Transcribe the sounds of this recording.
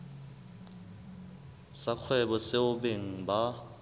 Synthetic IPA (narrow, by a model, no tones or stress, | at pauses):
sak͡xʰwɛɓɔseʊbeŋ̩ba